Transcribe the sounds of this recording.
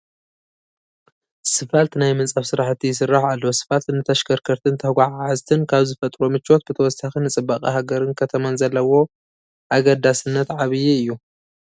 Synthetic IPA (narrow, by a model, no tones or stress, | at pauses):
sɨfalt̪najmɨnt͡sʼɐfsɨɾaħt̪ʰːijɪs̬ɨrːaħalːosɨ̥falt̪nɨt̪ʰɐʃkʰɐɾkʰɐɾt̪ʰɨnt̪ʰɐhɡʷaʕazt̪ʰɨnkʰaβzɨfɐt̪ʼɾomɨt͡ʃːot̪̚kɨt̪ʰɐwɔsaxɨnɨt͡sʼɨbːakʼḭhaɡɐɾɨnkʰɐt̪ʰɐmanzɐlːɐwo̞ | ʔaɡɐd̪asɨnːɐt̪ʕaβɨjiɨjːu